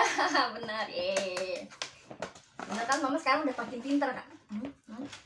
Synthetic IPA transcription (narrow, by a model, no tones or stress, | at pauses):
bənəre | bənərkalomamasəkaɾaŋudahpakɪŋp̪int̪ərka̰ʔ